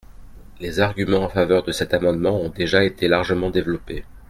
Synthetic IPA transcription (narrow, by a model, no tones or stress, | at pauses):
lezaʁɡʲymɑ̃ɑ̃favœʁd̪əsɛt̪amɑ̃d̪mɑ̃ɔ̃d̪eʒaet̪ʰelaʁʒəmɑ̃d̪evlɔpe